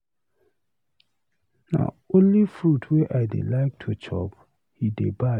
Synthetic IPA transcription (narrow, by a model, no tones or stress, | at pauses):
na̰ | õnlifɹutʰweʔaɪdḛlaɪk̚tʰut͡ʃʰɔ̰p | hideba